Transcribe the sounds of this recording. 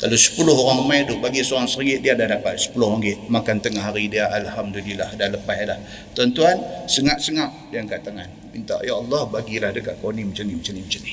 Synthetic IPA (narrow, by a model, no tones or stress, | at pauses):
kalosə̥pulʊɦoɾaŋəmajdʊʔbaɡisoɾaŋsəɾiɪʔdiadahdapat̪̚sə̥pulʊɦaŋɡɪʔmakant̪əŋaɦaɾidiaʔalhamdulilahdahləpaɦlah | t̪ant̪uansəŋaʔsəŋaʔ | diaŋkaʔt̪aŋan | mint̪a̰ʔjaɑlːɑhbaɡilahdəkaʔkonimət͡ʃanɪmət͡ʃanɪmət͡ʃanɪh